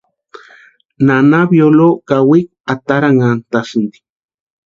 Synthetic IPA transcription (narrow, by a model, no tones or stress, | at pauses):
nanabjolokawik̚at̪aɾaŋant̪asɨnd̪i̥k̚